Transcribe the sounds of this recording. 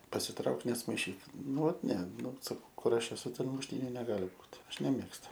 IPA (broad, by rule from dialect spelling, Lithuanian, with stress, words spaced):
pɐsʲɪˈtrɐʊk nʲɛsmɐɪˈʃʲiːk ˈnʊ ˈʋɐt nʲɛ ˈnʊ sɐˈkɐʊ ˈkʊr ˈɐʃ ɛˈsʊ ˈtʲɛn mʊʃʲˈtʲiːnʲʊ nʲɛˈɡɑːlʲɪ ˈbuːt ˈɐʃ nʲɛˈmʲeːkstʊ